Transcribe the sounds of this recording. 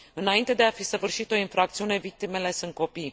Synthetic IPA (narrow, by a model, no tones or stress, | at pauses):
ɨnaint̪e̞d̪e̞afisəvɨrʃit̪o̞infɾakt̪siune̞vik̚t̪ime̞le̞sɨnt̪̚ko̞pij